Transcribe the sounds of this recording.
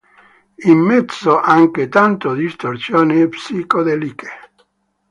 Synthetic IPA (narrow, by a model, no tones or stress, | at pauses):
imːɛd̪soʔaŋket̪ant̪od̪ist̪ort̪sjoːnepsikod̪elike̥